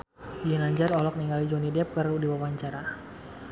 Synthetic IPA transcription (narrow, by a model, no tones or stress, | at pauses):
inaɲd͡ʒaɾɔlɔk̚niŋɡalid͡ʒonidɛp̚kərudiwawaɲt͡ʃaɾa